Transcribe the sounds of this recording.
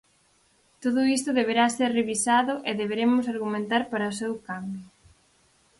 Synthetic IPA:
t̪oðʊis̬t̪ʊðeβ̞eɾaseɾreβisaðʊʔeðeβeɾemʊs̬aɾɣumẽnt̪aɾpaɾɐosewkambjʊ

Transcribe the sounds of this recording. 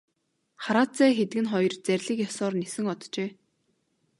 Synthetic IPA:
χaɾaːt͡sæːxet̪ɡɘ̆nχɔjɞ̆rt͡særʲɮiːkjɔsɔːrnesɘ̆ŋɔt̪t͡ɕeː

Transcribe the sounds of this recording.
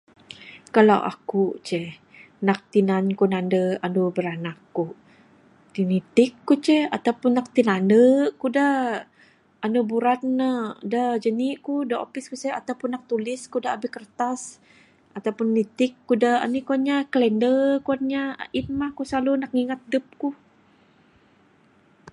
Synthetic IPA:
kalawʔa̰kut͡ʃɛh | nak̚t̪inankunandəandubəɾanakːu | t̪init̪ɪkːut͡ʃɛa̰t̪awpʊnːak̚t̪inandəkuda | anubuɾat̪̚nədəd͡ʒəniʔkudao̰pɪskusɛa̰t̪awpʊnːak̚t̪ulɪskudaabɪhkərt̪as | at̪awpʊnːit̪ɪkːudaa̰nikuanɲakəlɛndəkuanɲait̪̚mahkusalunak̚ŋiŋat̪̚dəp̚ku

